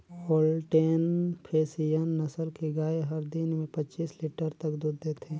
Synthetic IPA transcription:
oːlʈeːnpʰeːsijənːɐsəlkeɡaːeɦəɾd̪ɪnmẽpɐt͡ʃiːsliːʈəɾt̪əkd̪uːd̪ːeːt̪ʰeː

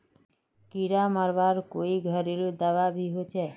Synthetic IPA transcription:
kiɾaməɾʋaɾkoiɡʱəɾelud̪aʋabʱiɦot͡ʃʰɛ

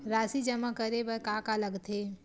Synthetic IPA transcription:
ɾaːsid͡ʒəmakəɾebəɾkakaləɡt̪ʰe

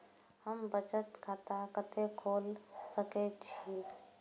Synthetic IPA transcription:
həmbət͡ʃət̪kʰat̪akət̪ekʰoːlsəket͡ʃʰi

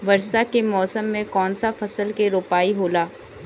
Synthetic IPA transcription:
ʋɐɾsakemɔːsəmːẽkɔːnsafɐsəlkeɾoːpaːiɦoːlaː

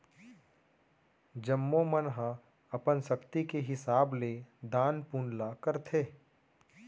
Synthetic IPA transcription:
d͡ʒəmːomənɦã | ɐpənʃɐkt̪ikeɦɪsaːbled̪ãːnpuːnlakəɾt̪ʰeː

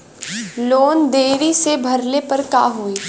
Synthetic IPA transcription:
loːnd̪eːɾisebʱɐɾlepɐɾka̰ːɦuiː

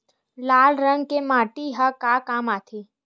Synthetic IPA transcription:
laːlɾə̃ŋɡkemaːʈiɦakakaːmaːt̪ʰi

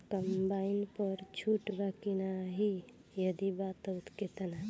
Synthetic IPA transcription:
kəmbaːɪnpəɾt͡ʃʰuːʈbakinaɦi | jəd̪ibat̪ʊt̪ket̪əna

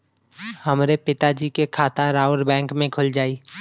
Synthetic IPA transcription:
həmɾepɪt̪ad͡ʒiːkekʰaːt̪aɾaːəɾbɛ̃ːŋkmẽkʰʊld͡ʒaːiː

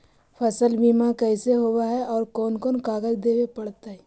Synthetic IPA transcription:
pʰɐsəlbʱiːmakɛɪseɦowaɦɛʔɔːɾkɔːnkɔːnkaːɡəd͡ʒd̪eːwepɐɽt̪aɦɛ

